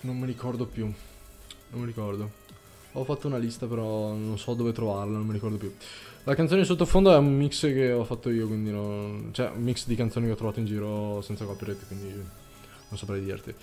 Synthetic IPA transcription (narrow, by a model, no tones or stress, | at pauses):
nomːiɾikɔrd̪opju | nomːiɾikɔrd̪o | ɔfːat̪ːounalist̪apeɾɔnonsɔd̪oːvet̪ɾovarlanomːiɾikɔrd̪opjulakant̪oːneins̬ot̪ːofond̪oɛummikskeɔfat̪ːoiːokwind̪inont͡ʃoɛ̰ṵmːiksd̪ikanoːnikeɔt̪ːɾovat̪oind͡ʒiːɾosɛnt̪sakɔpiɾet̪ːkwind̪io | nonsapɾɛjd̪ḭrt̪i